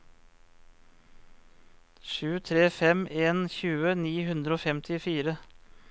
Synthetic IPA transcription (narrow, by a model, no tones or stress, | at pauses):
ʃʉːt̪ʰɾeːfɛmeːnçʉːəniːhʉnd̪ɾəoːfɛmt̪ʰɪfiːɾə